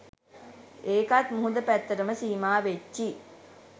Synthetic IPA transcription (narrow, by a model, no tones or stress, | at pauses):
eːkat̪muɦud̪əpæt̪ːɐɾɐməsiːmaːʋet͡ʃːi